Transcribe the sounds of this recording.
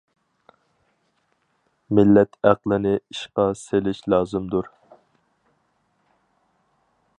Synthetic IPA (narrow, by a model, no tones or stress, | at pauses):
mɪlːɛt̪ʰæqlˠɪnɪiʃqɑselɪʃlɑːzɨmd̪uɾ